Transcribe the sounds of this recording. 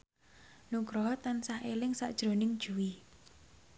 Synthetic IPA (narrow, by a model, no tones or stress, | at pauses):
nuŋkɾɔɦɔt̪ansahelɪŋsa̰ʔd̥ʒ̥ɾo̤nɪŋd̥ʒ̥ṳwi